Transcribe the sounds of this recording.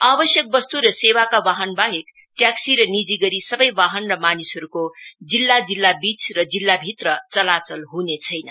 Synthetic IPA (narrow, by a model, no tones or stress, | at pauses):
abʌsjʌk̚bʌst̪uɾʌsewakawaɦʌnbaɦek | ʈjaksiɾʌnid͡ziɡʌɾisʌbʌjwaɦʌnrʌmanisɦʌɾukod͡zilːad͡zilːabit͡srʌd͡zilːabʱit̪rʌt͡sʌlat͡sʌlɦunet͡sʰʌjnʌ